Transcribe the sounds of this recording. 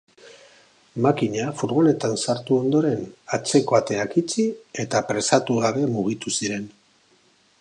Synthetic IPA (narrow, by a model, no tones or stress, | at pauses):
makiɲafuɾβo̞le̞t̪ansaɾt̪uo̞nd̪o̞ɾe̞nat͡se̞ko̞at̪e̞akit͡sie̞t̪apɾe̞sat̪uɣ̞aβe̞muɣ̞it̪usiɾe̞n